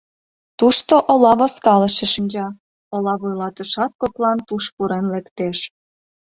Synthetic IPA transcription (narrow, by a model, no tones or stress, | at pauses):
t̪uʃt̪oʔolɑβoskɑlə̆ʃeʃinʲd͡ʑɑ | olɑβujlɑt̪əʃɑt̪̚koklɑnt̪uʃpuɾenlekt̪eʃ